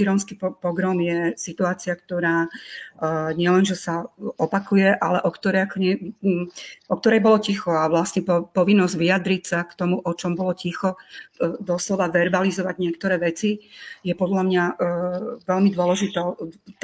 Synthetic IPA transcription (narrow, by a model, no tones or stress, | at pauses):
iɾɔñskippɔɡɾɔmjɛsit̪uaːt͡siakt̪ɔɾaː | ɲɪɛlɛnʒɛsaɔpakujɛʔalɛʔɔkt̪ɔɾɛjakɔɲɛ | ʔɔk̚t̪ɔɾɛjbɔlɔcixɔaʋlasɲɛpɔpɔʋinːɔzɟʋiad̪ɾicsakt̪ɔmuʔɔt͡ʃɔmbɔlɔcixɔ | d̪ɔslɔʋaʋɛɾbalizɔʋaɟɲɪɛkt̪ɔɾɛːʋɛt͡sijɛpɔd̪lamɲa | ʋɛlmid̪ʊɔlɛʒit̪ɛt̪